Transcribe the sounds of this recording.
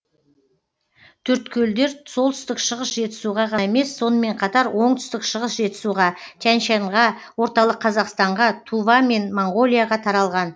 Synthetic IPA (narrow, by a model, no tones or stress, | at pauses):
t̪ʰʏɾt̪kʲʰɵld̪e̞ɾso̞lˠt̪ʰʏst̪ɪkʃəʁəsʒe̞t̪ɪ̥suʁɑqʰɑe̞me̞sːo̞nəme̞ɴqʰɑt̪ɑɾwo̞ɴt̪ʰʏ̥st̪ɪkʃəʁəsʒe̞t̪ɪ̥suʁɑt̪ʲʰanʃɑɴʁɑwo̞ɾt̪ɑlˠəqʰːɑzɑqst̪ɑɴʁɑt̪ʰuvɑme̞nmoɴɡo̞lʲˠijaʁɑt̪ʰɑɾɑlˠʁɑn